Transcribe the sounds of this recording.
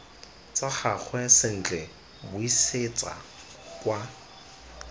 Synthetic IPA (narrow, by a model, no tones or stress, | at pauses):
t͡saχak͡xʰwɛsɪn̩t͡ɬɛ | bʊiset͡sʼa̰ | kwa